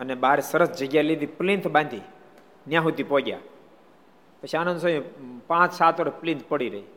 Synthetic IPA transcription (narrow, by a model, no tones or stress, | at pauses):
ənebaɾesəɾəsd͡ʒəɡjaled̪iplint̪ʰbãnd̪i | njãɦut̪ipoɡja̰ | pət͡ʃʰiaːnə̃nd̪səĩpãt͡ʃsat̪ʋaɾplĩnt̪̚ʰpəɽiɾəɦi